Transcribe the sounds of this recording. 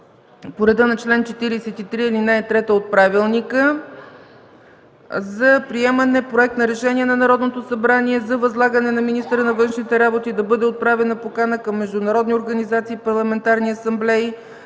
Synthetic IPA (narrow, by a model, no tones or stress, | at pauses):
poɾɛd̪ənɐt͡ʃlɛnt͡ʃɛt̪iɾisɛt̪it̪ɾiilinajt̪ɾɛt̪əot̪̚pɾavilˠnikə | zɐpɾiɛmənɛpɾoɛk̚t̪nɐɾɛʃɛniɛnɐnɐɾɔd̪not̪osɐbɾaniɛzɐvɐzlˠaɡənɛnɐminist̪əɾənɐvɤnʃnit̪ɛɾabot̪id̪ɐbɤd̪ɛot̪̚pɾavɛnɐpokanəkɐmːɛʒd̪ʊnɐɾɔd̪nioɾɡɐnizat̪siːpɐɾlˠɐmɛnt̪aɾniɐsɐmblɛi